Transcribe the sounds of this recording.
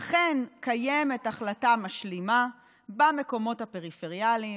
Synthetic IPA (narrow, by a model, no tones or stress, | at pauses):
aχenkajemetaχlatamaʃlima | bame̞ko̞mo̞thape̞ʁifeʁijali